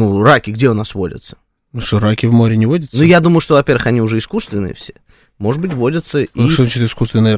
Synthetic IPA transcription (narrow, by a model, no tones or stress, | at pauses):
nurakʲɪɡdʲeʊnasvodʲə̰t̪sə̥ | nusoɾakʲɪvmo̞ɾʲɪnʲɪvodʲət̪snːujad̪uməjʊʂt̪ovɐpʲervʋəxɐnʲiʊʐɛɪskust̪vʲɪnːɨjə̰fsʲe̞ | mo̞ʐɨd̪̚bɨtʲvo̞dʲət̪səiozat͡ɕt͡ʃɪt̪ɪskust̪vʲɪnːɨjə